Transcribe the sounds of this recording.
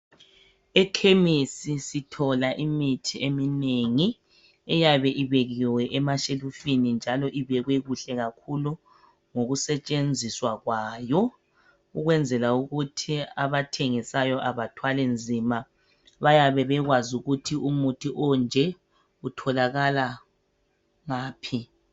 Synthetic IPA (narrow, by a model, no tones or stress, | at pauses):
ɛkʰemisisitʰɔlaʔimitʰiemineŋi | ɛjaβɛʔiβeɣiwɛʔɛmaʃelufinind͡ʒʱalɔʔiβɛɣwɛɣuɬɛɣakʰulu | ŋoɣusɛt͡ʃʼend͡zʱiswaɣwaːjɔ | uɣwɛnd͡zʱɛlauɣutʰiaβatʰeŋisajɔʔaβatʰwalɛnd͡zʱiːma | βajaβɛβɛɣwazuɣutʰiumutʰiʔɔnd͡ʒʱɛ | utʰɔlaɣala | ŋaːpʰi